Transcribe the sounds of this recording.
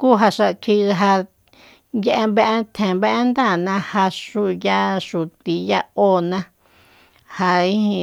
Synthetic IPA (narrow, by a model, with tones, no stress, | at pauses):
ku˦ɦa˧ʂa˧kʰi˧ɦa˧ | je˧ʔe˧mbe˦ʔe˦t̪ʰẽ˨mbe˦ʔe˦nd̪a˦˨nã˧ha˧ʂu˧ja˦ʂu˨t̪i˨ja˦˧o˦nã˧ | ha˧i˦hĩ˧